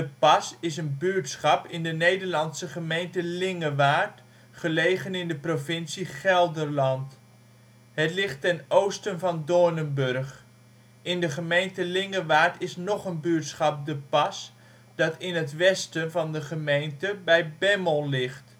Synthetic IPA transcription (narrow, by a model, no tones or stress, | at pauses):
dəpɑsɪsənbytsχɑpɪndənejdəɹlɑnsəχəmejntəlɪŋəʋaːɹt | χəlejχənɪndəprovɪnsiχɛlˠdəɹlɑnt | ɦətlɪχtːɛnowstənvɑndoːnənbørχ | ɪndəχəmejntəlɪŋəʋaːɹtɪsnɔχənbyːɹtsχɑp̚dəpɑs | d̥ɑtɪnɦətʋɛstənvɑndəχəmejntəbɛjbɛməlˠlɪχt